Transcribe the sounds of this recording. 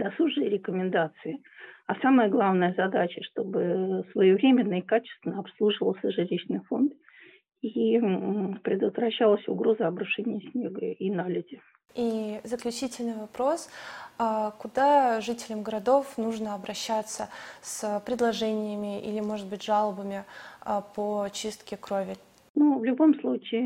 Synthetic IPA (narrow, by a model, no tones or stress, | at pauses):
d̪ɐsuʐɨjɾʲɪkəmʲɪnd̪at̪sɨɪ | asaməjəɡlˠavnəjəzɐd̪at͡ɕəʂt̪o̞bɨsvəjovɾʲemʲɪnːəkat͡ɕɪ̥st̪vʲɪnəɐpslˠuʐɨvəlˠsʲəʐɨlʲiɕnɨjfo̞nt̪ | i | pɾʲɪd̪ət̪vɾɐɕːalˠəsʲʊɡɾo̞zəɐbɾʊʂɛnʲɪjəsʲnʲeɡə̰inalʲɪdʲɪ | izəklʲʉt͡ɕitʲɪlʲnɨjvɐpɾo̞sakʊd̪aʐɨtʲɪlʲɪmɡəɾɐd̪o̞fnuʐnəɐbɾʔɐɕːat̪səsəpɾʲɪd̪lˠɐʐɛnʲɪjəmʲɪʔḭlʲɪmo̞ʐɨt̪̚bɨtʲʐalˠəbəmʲɪapot͡ɕist̪kʲɪkɾo̞vʲɪ | nuvlʲʊbo̞mslˠut͡ɕɪː